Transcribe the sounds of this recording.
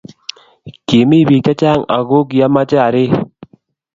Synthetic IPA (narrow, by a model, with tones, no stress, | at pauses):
ke˨mi˦˨bi˨ka˦t͡ʃa˦˨ŋa̰˨ɣo˦kja˦ma˦t͡ʃɛ˦a˨ɾɪ˦